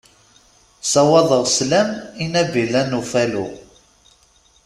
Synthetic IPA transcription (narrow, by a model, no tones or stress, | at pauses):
sɑwɑðˤəʁslæminævilːænufælṵ